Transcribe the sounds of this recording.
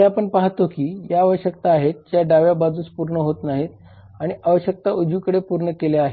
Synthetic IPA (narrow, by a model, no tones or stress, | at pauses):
eapəɳpaɦt̪okiːjaːʋəɕjəkt̪aːɦet̪̚d͡ʑjaɖaʋjabad͡zuːt͡spuɾɳəɦot̪naɦiːt̪ | aɽ̃iʔaʋəɕjək̚t̪aud͡ʑukəɽepuɾɳəkeleaɦe